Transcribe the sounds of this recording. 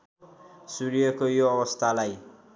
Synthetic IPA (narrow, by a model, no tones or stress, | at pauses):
suɾijʌkojoʌbʌst̪ʰalaj